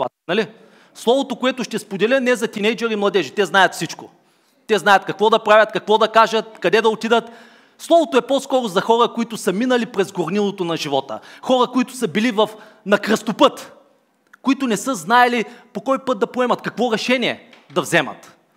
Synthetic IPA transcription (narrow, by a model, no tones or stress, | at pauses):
a | nɐli | slˠɔvot̪okoɛt̪ʊʃt̪ɛspod̪ɛlʲɛnɛzɐt̪ʲinɛjd͡ʒɛɾimlˠɐd̪ɛʒit̪ɛznajɐt̪fsit͡ʃko | t̪ɛznajɐt̪̚kɐkvɔd̪ɐpɾavʲɐt̪kɐkvɔd̪ɐkaʒɐt̪̚kɐd̪ɛd̪ɐot̪id̪ət̪ | slˠɔvot̪oɛpɔskɔɾʊzɐxɔɾəkoit̪ʊsəminəlipɾɛzɡoɾnilˠot̪onɐʒivɔt̪ə̰xɔɾɐkoit̪ʊ̥səbilivɐf | nɐkɾəst̪opɤt̪ | koit̪ʊnɛsɤznaɛlipokɔjpɤt̪̚d̪ɐpoɛmɐt̪kɐkvɔɾɛʃɛniɛ | d̪ɐvzɛmə̰t̪